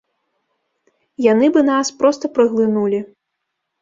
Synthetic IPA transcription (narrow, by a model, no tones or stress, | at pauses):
janɨbɨnaspɾɔst̪ɐpɾɨɣlˠɨnulʲi